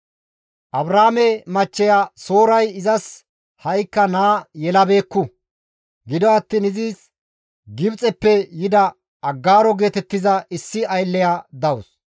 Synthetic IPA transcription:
ʔɐbɾaːmɛmɐt͡ʃːɛjaːso̞ːɾɐjɪzɐs | hɐjkːɐnaːjɛlɐbe̞ːkːʊ | ɡɪd̪ɔɐt̪ːiːnɪziːs | ɡɪbt͡sʼɛpːɛjɪd̪ɐ | ɐɡːaːɾɔɡe̞ːt̪ɛt̪ːɪzɐɪsːɪɐjlːɛjaːd̪ɐwʊs

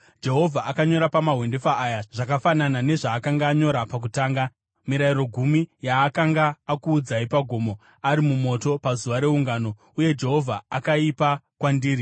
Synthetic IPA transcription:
d͡ʒe̞ɦo̞vʱaʔakaɲo̞ɾapamaɦwe̞ndefaʔːjaʐ̥akafananane̞ʐaːkaŋɡaːɲo̞ɾapak̬utaːŋɡa | miɾairo̞ɡʱumijaːkaŋɡaːkuːd͡zaipaɡʱo̞ːmo̞ | aɾimumo̞to̞pazuʋaɾe̞uŋɡano̞ | uje̞d͡ʒe̞ɦo̞vʱaakaipakwandiːɾi

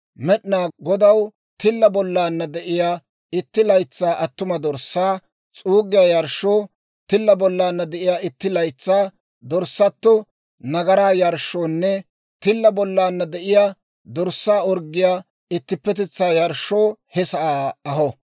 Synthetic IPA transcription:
mɛɗɪnaːɡɔd̪ɐw | t̪ɪlːɐbɔlːaːnːɐd̪ɛʔɪjaː | ɪt̪ːɪlɐjt͡sːaːʔɐt̪ːʊmɐd̪ɔɾsːaː | t͡sʼuːɡɪjaːjɐɾʃːoː | t̪ɪlːɐbɔlːaːnːɐd̪ɛʔɪjaːɪt̪ːɪlɐjt͡sːaː | d̪ɔɾsːɐt̪ːɔ | nɐɡɐɾaːjɐɾʃːoːnːɛ | t̪ɪlːɐbɔlːaːnːɐd̪ɛʔɪjaː | d̪ɔɾsːaːɔɾɡɪjaː | ɪt̪ːɪpːɛt̪ɛt͡sːaːjɐɾʃːoːhɛsɐaːɐhɔ

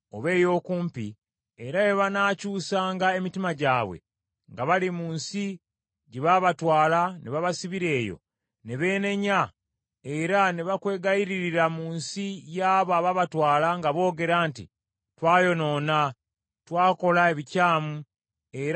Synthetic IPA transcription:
o̞̰βe̞ːjo̞ːkuːmpi | eɾaβeβanaːcuːsaːŋɡae̞mitimaɟaːβwḛ | ŋɡaβalimuːnsi | ɟeβaβatwaːlaneβaβasiβiɾe̞ːjo̞̰ | neβe̞ːne̞ɲa | e̞ɾaneβakwe̞ːɡajiɾiiɾamuːnsijaːβoaβaβatwaːlaŋɡaβo̞ːɡe̞ɾantḭ | twaːjo̞no̞ːna | twaːko̞laeβicaːmu | eɾ

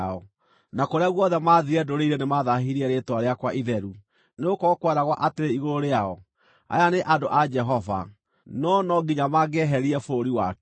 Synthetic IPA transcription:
ɔ | nakoɾeaɣwɔðɛmaːðiɾɛdoɾeiɾenemaðaɦiɾiɛɾetwaɾeakwaʔiðɛɾu | neokɔkwɛɾaɣwaʔateɾeiɣoɾoɾeaɔ | a̰janeʔadoʔad͡ʒɛɦɔva̰ | nɔnɔɡiɲamaɡɛɦɛɾiɛfoːɾiwak

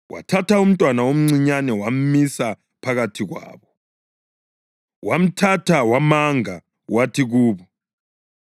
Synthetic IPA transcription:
wʔa̰tʰatʰaum̩tʼwanaom̩ŋ͡ǀiɲanɛwam̩misa | pʰaɣatʰiɣwa̰ːβɔ | wam̩tʰatʰawamaŋa | watʰiɣuːβɔ

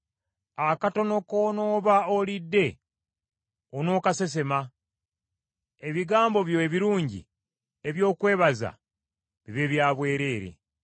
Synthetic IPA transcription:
akato̞no̞kono̞ːβaolidːe̞ | ono̞ːkase̞s̬e̞ma | e̞βiɡaːmbo̞βjoeβiɾuːɲɟḭ | e̞βjo̞ːkwe̞ːβaza̰ | βiβeβjaːβwe̞ːɾe̞ːɾe̞̰

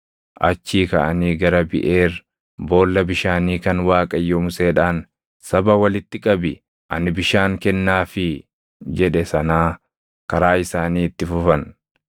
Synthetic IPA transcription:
ʔɐ̰t͡ʃːiːkɐʔɐniːɡɐɾɐbɪ̰ʔeːr | bo̞ːlːɐbɪʃaːniːkɐnwaːkʼɐjːomʊse̞ːᶑaːn | sɐbɐwɐlɪt̪ːɪkʼɐbɪ | ʔɐ̰nɪbɪʃaːŋkɛnːaːfɪ | d͡ʒɛᶑɛsɐnaː | kɐɾaːɪsaːniːɪt̪ːɪfʊfɐn

